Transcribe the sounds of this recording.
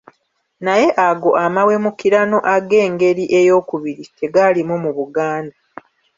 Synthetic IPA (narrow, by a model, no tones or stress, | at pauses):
naje̞ʔaɡo̞ʔamawe̞mukiɾano̞ʔaɡe̞ːŋɡe̞ɾiʔe̞jo̞ːkuβiɾite̞ɡalimumuβuɡaːnda